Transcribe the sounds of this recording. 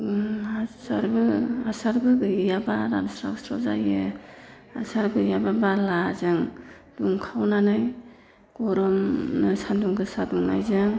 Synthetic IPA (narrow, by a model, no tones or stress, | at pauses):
asaɾbɯasaɾɡɯɡɯjabaɾa̰nsɾa̰ksɾɔzajɯ | asaɾɡɯjababalazɯŋ | d̥uŋkʰawnanɯj | ɡ̥ɔɾɔmnɯsanduŋɡɯsaduŋna̰jzɯŋ